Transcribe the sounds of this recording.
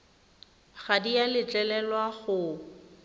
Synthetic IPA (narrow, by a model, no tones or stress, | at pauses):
χadijalɪt͡ɬʼɛlɛlwaɣʊ